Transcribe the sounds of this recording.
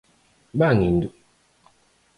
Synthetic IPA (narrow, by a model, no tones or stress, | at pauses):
baŋindu